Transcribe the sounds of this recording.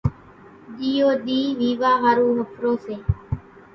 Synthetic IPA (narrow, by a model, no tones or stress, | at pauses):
ɗiːoːɗ̪iːʋiːʋaːɣaɾuːɦəfɾõːseː